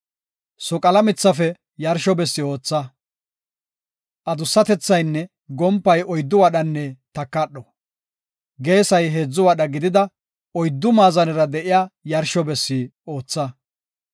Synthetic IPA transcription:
sɔkʼɐlɐmɪt͡sːɐfɛ | jɐɾʃɔbɛsːɪo̞ːt͡sːɐ | ʔɐd̪ʊsːɐt̪ɛt͡sːɐjnːɛ | ɡɔmpːɐjɔjd̪ːʊwɐɗɐnːɛt̪ɐkːɐɗːɔ | ɡe̞ːsɐjɦe̞ːd͡zːʊwɐɗɐɡɪd̪ɪd̪ɐ | ɔjd̪ːʊmaːzɐnɪɾɐd̪ɛʔɪjaːjɐɾʃɔbɛsːɪoːt͡sːɐ

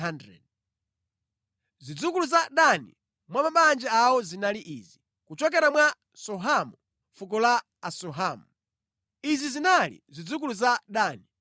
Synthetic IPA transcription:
andɾɛ̰d̚ | zid͡zukuluzaɗanḭ | mwamaɓand͡ʒɛawɔzinaliʔiːzi | kut͡ʃɔk̬ɛɾamwa | sɔɦamu | fuk̬ɔla | asɔɦaːmu | izizinalḭzid͡zuk̬uluzaɗaːni

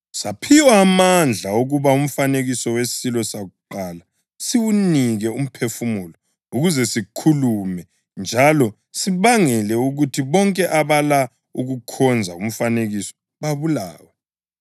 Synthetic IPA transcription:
sapʰiwaːmand͡ɮʱaoɣuβaum̩faneɣisɔwesilɔsaɣuǃaːla | siwuniɣɛum̩pʰefumuːlɔ | uɣuzɛsikʰulumɛ | nd͡ʒʱalɔ | siβaŋɛlɛuɣutʰiβɔŋkʼɛʔaβala | uɣukʰɔnd͡zʱaum̩faneɣisɔ̥ | βaβula̰ːwɛ

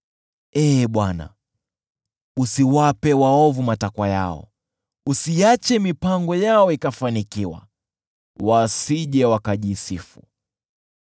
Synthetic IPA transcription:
ɛɓwana̰ | usiwapɛwaɔvumatakwaja̰ɔ̰ | usiat͡ʃɛmipaŋɡɔjaɔikafanikiwa̰ | wasiʄɛwakaʄisifṵ

